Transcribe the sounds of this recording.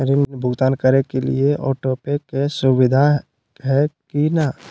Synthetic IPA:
əɾinmnbʱʊɡt̪aːnkəɾekelḭeʔɔːʈoːpekesʊʋɪd̪ʱa | ɦɛkina

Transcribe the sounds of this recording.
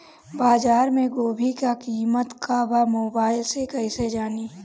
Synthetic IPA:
baːzaːɾmẽɡoːbʱikakiːmət̪kaʋamoːbaːɪlsekɛɪsed͡ʒaːniː

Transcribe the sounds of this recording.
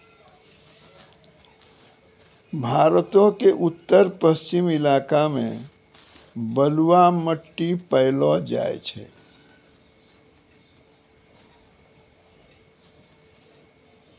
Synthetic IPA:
bʱaɾət̪õkeʔut̪ːəɾpəst͡ʃimilakamḛ̃ | bəluwaməʈːipəɪlɔd͡ʒa̰ḛt͡ʃʰɛ̰

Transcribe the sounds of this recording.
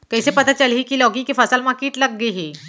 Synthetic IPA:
kəjsepət̪at͡ɕəliːkiːlɔɡĩkifəsalmakiːʈləɡ̚ːeɦi

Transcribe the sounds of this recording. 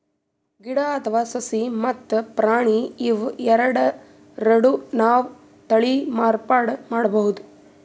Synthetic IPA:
ɡiɽaɐt̪ʰɐʋaːsɐsimɐt̪ːpɾaːɳiːʋɛɾɐɽɐ | ɾɐɽunaːʋ | t̪ɐɭimaːɾpaːɽmaːɽɐbɐɦud̪u

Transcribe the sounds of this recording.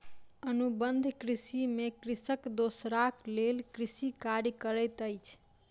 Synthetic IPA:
ənubənd̪ʱkɾisimekɾisəkd̪osɾaklelkɾisikaɾjəkəɾəjt̪əjt͡ʃʰ

